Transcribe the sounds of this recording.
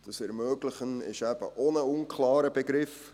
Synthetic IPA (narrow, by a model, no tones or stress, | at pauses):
d̥əsɛɾmøːɡləχənɪ̰ʃæb̥ə̰ʔonəʊnkʰlɑːɾəbeɡɾɪf